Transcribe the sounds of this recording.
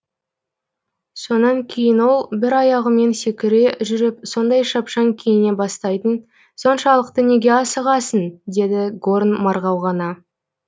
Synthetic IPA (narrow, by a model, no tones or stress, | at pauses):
so̞nɑŋkʲʰe̞jɪnwo̞lˠbɪɾɑjɑʁəme̞nsekʲɪɾe̞ʒʏɾɪpso̞nd̪ɑjʃɑpʃɑŋkʲʰe̞jɪne̞bɑst̪ɑjt̪ən | so̞nʃɑlˠəqt̪əne̞ɡʲe̞ɑsəʁɑsənd̪e̞d̪ɪɡornmɑɾʁɑwʁɑnɑ